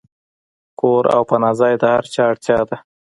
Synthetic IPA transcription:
koɾa̰wpanɑzɑjd̪əhaɾt͡ʃɑɽt̪jɑd̪a

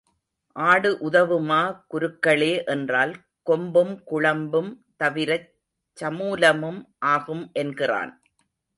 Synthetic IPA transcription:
ʔaːɽɯʔʊðɐʋɯmaːkʊɾɯkːɐɭeːʔɛndraːl | kɔmbɯmkʊɻɐmbɯm | t̪ɐʋɪɾɐ | t͡ʃːɐmuːlɐmɯmʔaːɣɯmʔɛnɡɪra̰ːn

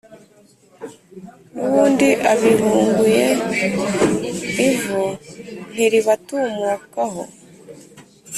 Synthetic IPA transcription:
nuβuːndiʔaβiβuːŋɡuje̞ | ivun̥iɾiβatumukaɦo̞̰

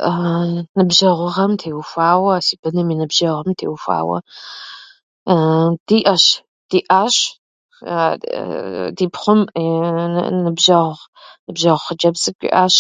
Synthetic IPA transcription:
nɨbʒɐʁʷʊʁɐmtʰeːwfʷaːwɐsib̥ɨnɨminɨbʒɐʁɐmtʰḛːwfa̰ːwɐ̰ | d̥iːʔɐɕ | d̥iːʔaːɕ | diːpχʷʊm | nɨbʒɐʁʁ | nɨbʒɐʁχəd͡ʒɐbzɨkʷʼḭʔaːɕ

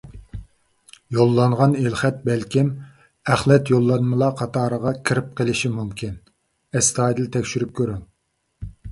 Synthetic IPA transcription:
jolˠːɑɴʁɑnelχɛt̪̚bɛlkʲʰim | æχlɛt̪jolˠːɑnmɨlˠɑqʰɑt̪ʰɑːɾəʁɑkʲʰiɾɪp̚qʰəlˠɪʃimumkʲin | ɛst̪ʰɑːjd̪ɨlt̪ʰɛkʲʃyɾyp̚kʲʰøɾɪŋ

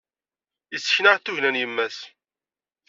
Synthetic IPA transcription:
əsːçnəʁθuʝnænjəmːæs

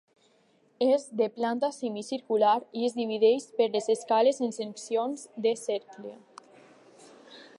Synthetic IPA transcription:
ezðeplant̪asemisiɾkulaɾiezðiβ̞iðeʃpeɾlezeskalezenseŋksionzd̪esɛɾkle

